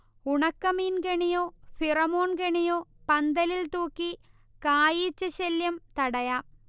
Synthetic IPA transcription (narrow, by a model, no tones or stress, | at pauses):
uɳɐkːɐmiːnkeɳijoːfirɐmoːɳkeɳijoːpɐnd̪ɐlilt̪uːkːi | kaːjiːt͡ɕːɐɕeljɐmt̪ɐɽɐjaː